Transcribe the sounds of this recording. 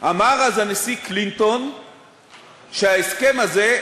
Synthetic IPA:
ʔamaʁazanesiklint̪on | ʃeɦaeske̞maze

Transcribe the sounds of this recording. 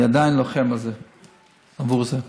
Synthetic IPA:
adaɪnlˠoχɛmaze | avuʁzɛ

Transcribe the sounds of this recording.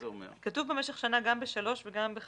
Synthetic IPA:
omḛkatuvbe̞meʃeχʃanaɡambeʃalo̞ʃveɡambe

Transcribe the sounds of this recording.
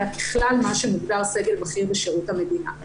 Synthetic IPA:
abiχlalmaʃemuɡbalse̞ɡe̞lmaχiʁbeʃeʁuthamedina̰

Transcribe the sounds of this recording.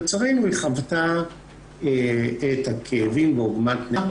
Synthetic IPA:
t͡saʁejnueχavta | eethakʰeːvimbeoɡmatna

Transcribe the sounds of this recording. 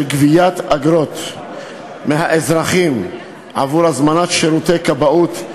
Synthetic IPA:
lɡvijat̪aɡɾo̞t̪ | meɦaʔezɾaχim | ʔa̰vuɾazmanat̪ʃeɾut̪ejkabaut̪

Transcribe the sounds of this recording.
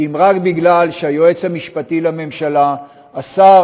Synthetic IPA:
imʁakbiɡlalʃeajoet͡shamiʃpatilame̞mʃalaː | sa

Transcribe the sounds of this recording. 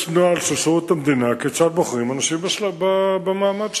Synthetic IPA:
ʃnualʃesʁut̪amd̪inaket͡ʃat̪̚boχʁimanaʃimbaʃlababemaːmad̪ʃ

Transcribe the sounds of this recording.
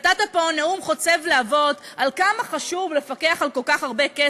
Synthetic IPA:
t̪at̪aponeumχo̞t͡se̞vleavo̞dalkamaχaʃuvle̞fake̞aχalko̞lkaχaʁbeke

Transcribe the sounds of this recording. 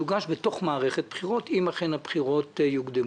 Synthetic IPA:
uɡaʃbeto̞χmaːʁeχet̚b̥χiʁo̞timaχenhabχiʁo̞t̪juɡd̪em

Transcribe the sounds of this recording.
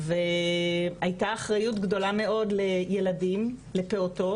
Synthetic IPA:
ve | ajtaːχʁajutɡdo̞lame̞o̞dle̞je̞ladimle̞pe̞oto̞

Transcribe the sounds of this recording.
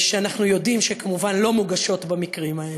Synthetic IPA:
ʃeanaχnujo̞d̪imʃekamuvanlo̞muɡaʃo̞t̪bamikʁimael

